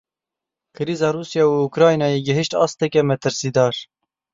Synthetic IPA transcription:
kʰɨɾiːzɑːɾuːsjɑːuukɾɑːjnɑːjeɡɪɦɨʃt̪ɑ̰ːst̪ɛkʲɛmɛt̪ʰɨɾsiːd̪ɑːɾ

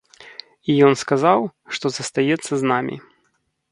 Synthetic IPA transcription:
ijɔnskazawʂt̪ɔzɐst̪ajɛt̪sːɐznamʲḭ

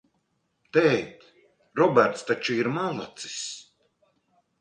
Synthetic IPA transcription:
t̪ɛjt̪ | ɾɔbæɾt̪st̪at͡ʃuiɾmalˠa̰t̪si̥s

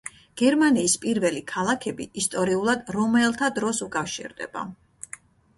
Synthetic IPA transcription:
ɡ̥ɛɾmaniːspʼiɾvɛlikʰalˠakʰɛbḭist̪ʼɔɾiulˠad̪ɾɔmɛlˠt̪ʰad̪ɾɔsukʼafʃḭɾd̪ɛ̰b̥a̰

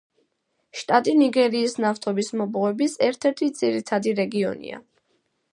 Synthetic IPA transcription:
ʃt̪ʼat̪ʼiniɡɛɾiːsnaft̪ʰɔbismɔbɔɛbisɛɾt̪ʰɛɾt̪ʰid̪z̥iɾit̪ʰad̪iɾɛɡiɔ̰nḭa̰

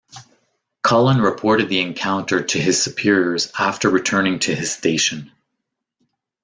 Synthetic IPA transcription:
kʰɑlˠə̃nɹɨpʰɔɹɾɨd̪̚ðiɨ̃nkʰãʊ̃ntʰə˞ɾʰɨɨz̥sɨpʰɪɹiə˞zæftə˞ɹɨtʰɜ̃˞nɪ̃ŋtʰɨɨz̥steɪʃɨ̃n

